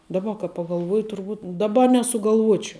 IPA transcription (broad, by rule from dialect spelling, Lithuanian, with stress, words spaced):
dɐˈbɐ kɐ pɐɡɐlˠˈʋuɔjɪ tʊrˈbuːt dɐˈbɐ nʲɛsʊɡɐlˠˈʋuɔt͡ʃʲɛʊ